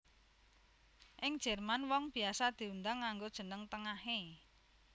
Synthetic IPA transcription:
ʔɪŋd̥ʒ̥ɛrmanwɔŋb̥i̤asad̪̥i̤und̪aŋːaŋɡod̥ʒ̥ə̤nəŋt̪əŋaɦe

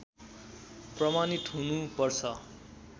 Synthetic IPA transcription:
prʌmanit̪ɦunupʌrt͡sʰʌ

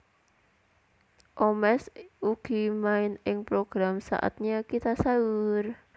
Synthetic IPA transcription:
ʔomɛsuɡ̥i̤maɪnɪŋpɾoɡ̥ɾamsa̰ʔa̰t̪̚ɲakit̪asaur

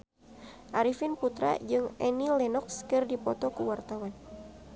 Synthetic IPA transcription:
ʔaɾifinput̪ɾa̰d͡ʒɨŋɛnilɛnɔkskɨrdipɔt̪ɔkuwart̪awan

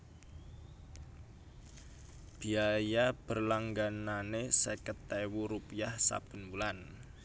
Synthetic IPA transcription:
b̥i̤ajab̥ərlaŋɡananesekət̪ːewuɾupiahsa̰b̥ə̤nbulan

